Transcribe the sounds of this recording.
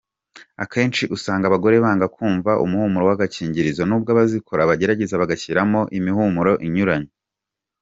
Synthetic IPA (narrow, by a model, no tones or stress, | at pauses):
akʰe̞ːnt͡ʃiʔusaːŋɡaβaɡo̞ɾe̞βaːŋɡakuːɱvaʔṵmuhumuɾo̞waɡaciːɲɟiɾizonuːb̚ɡaβazikʰo̞ɾaβaɟe̞ɾaɟe̞zaβaɡaciɾamo̞ʔimihumuɾo̞ʔiɲuɾaɲo